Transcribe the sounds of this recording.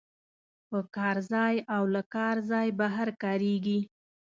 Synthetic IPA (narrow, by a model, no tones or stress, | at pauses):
pəkɑɾzɑjawlakɑɾzɑjbaɦaɾkɑɾeɡi